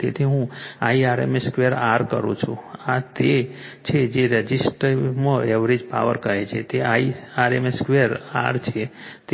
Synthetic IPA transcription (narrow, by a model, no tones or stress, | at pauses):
t̪ḛt̪ʰiɦũaiaɾḛmeskʋeəɾaɾkə̰ɾṵ̃t͡ʃʰṵ̃at̪et͡ʃʰed͡ʒeɾəd͡ʒisʈɾməɛʋɾid͡ʒpa̰ʋə̰ɾkəɦet͡ʃʰet̪eaiaɾemeskʋeəɾa̰ɾt͡ʃʰet̪